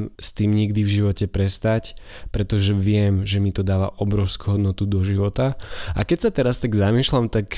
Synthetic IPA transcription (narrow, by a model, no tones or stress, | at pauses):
st̪iːmɲiɡd̪ivʒiʋɔcɛpɾɛst̪ac | pɾɛt̪ɔʒɛʋɪɛmʒɛmit̪ɔd̪aːʋa̰ʔɔbɾɔʊskuɦɔd̪nɔt̪ud̪ɔʒiʋɔt̪aa̰kɛcsat̪ɛɾast̪aɡzamiːʃlamt̪ak